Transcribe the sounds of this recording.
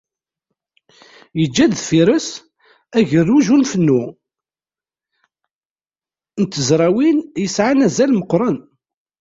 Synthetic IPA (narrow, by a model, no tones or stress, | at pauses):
jəd͡ʒːæðfiɾəs | æʝərːuʒunfənːu | nt̪ːəzɾˤæwinjəsʕanæzælməqːɾˤɑn